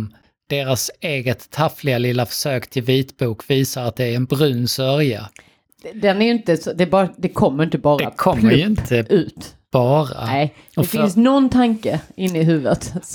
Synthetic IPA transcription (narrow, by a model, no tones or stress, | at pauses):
d̪̥eːɾaseːɡət̪ʰːaflɪɡalɪlːafœ̥ʂøːkt̪ʰɪlviːt̪buːkviːsaɾat̪̚d̪ɛæɾɛnbɾʉ̟ːnːsœɾja̰ | d̪ɛnæɾjɵɪnt̪əsɔd̪ɛbɑd̪ɛkʰɔmːəɾjɪnt̪əbɑːɾd̪ɛakʰɔmmːlːəɾjɵɪnt̪ʰəʉ̟ːt̪ | b̥ɑːɾa̰ɛ | dɔɛffnsnɔnt̪ʰaŋkəɪnːɪɦʉ̟ːvət̪